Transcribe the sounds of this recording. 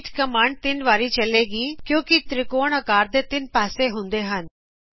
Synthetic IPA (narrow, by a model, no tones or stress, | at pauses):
ʈkəmaːɳɖ̚t̪ɪnʋaːɾiːt͡ʃəleːɡiːkjõːkɪt̪ɾɪkoːɳ̃əkaːɾd̪eːt̪ɪnpaːseːɦʊ̃nd̪eːɦən